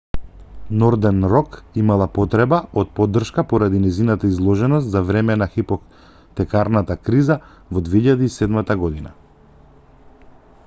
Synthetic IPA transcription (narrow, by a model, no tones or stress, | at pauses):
nɔɾd̪ɛnɾɔkimalˠapɔt̪ɾɛbaɔt̪̚pɔd̪ːrʃkapɔɾad̪inɛjzinat̪aizlˠɔʒɛnɔs̬t̪zavɾɛmɛnaxipɔ | t̪ɛkaɾnat̪akɾiza | vɔd̪vɛiʎad̪iːsɛd̪mat̪aɡɔd̪ina̰